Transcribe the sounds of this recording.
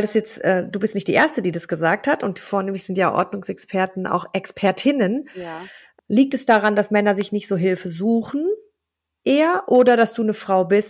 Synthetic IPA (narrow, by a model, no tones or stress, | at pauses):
valdasjɛt͡stʔɛːd̥uːbɪstnɪçtd̥iːʔeːɐstədiːdasɡ̥əzaːk̚thatʊnt̚foːɐneːmlɪçz̥ɪntjaːʔɔ̰ɐdnʊŋsɛkspʰɛɐtn̩ʔa̰ʊxʔɛkspʰɛɐtʰɪnən | liːk̚tɛsd̥aʁandasmɛnɐzɪçnɪçtz̥oːɦɪlfəzuːxn̩ | ʔeːɐʔoːdɐdasd̥uːnəfʁ̥aʊbɪst